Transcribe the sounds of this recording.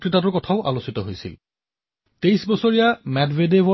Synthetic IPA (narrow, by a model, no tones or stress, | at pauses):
kɹitatʊɹkɔtʰaʊʔa̰lositɔɦojsḭl | tejsbɔsoɹijamɛdvedebɔ